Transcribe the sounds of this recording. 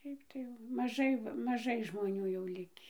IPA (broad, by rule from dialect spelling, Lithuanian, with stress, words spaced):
ˈʃʲɛɪp tɐɪ jɛʊ mɐˈʒɐɪ ʋɐ mɐˈʒɐɪ ʒmoːˈnʲuː jɛʊ ˈlʲɪkʲiː